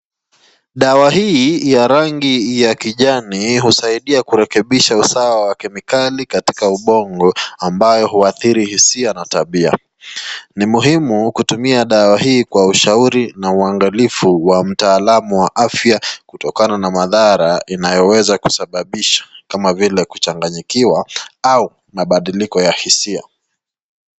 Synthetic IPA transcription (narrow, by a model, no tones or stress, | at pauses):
ɗawaɦijaɾaŋɡijakiʄaniɦusaiɗiakuɾɛkɛɓiʃausawawakɛmikalikati̥kauɓɔŋɡɔambajɔɦuaθiɾihisianataɓia̰ | nimuɦimukutumiaɗawahiːkwauʃauɾinauaŋɡalifuwam̩taːlamuwaʔafjakutɔkananamaðaɾainajɔwɛzaku̥saɓaɓiʃḁkamavilɛku̥t͡ʃaŋɡaɲikiwaau | maɓaɗilikɔjahisia̰